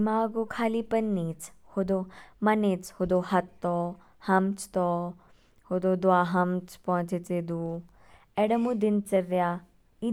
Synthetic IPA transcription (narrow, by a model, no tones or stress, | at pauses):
maːɡokʰaːlipɐnːiːt͡shod̪omɐnet͡shod̪oːhɐt̪ːɔː | hɐmt͡ʃt̪ɔː | hod̪oːd̪oaːɦɐmt͡ʃpɔ̃t͡ʃet͡seːd̪u | ɛːɽɐmũːd̪ɪnt͡ʃɐɾːjaː | i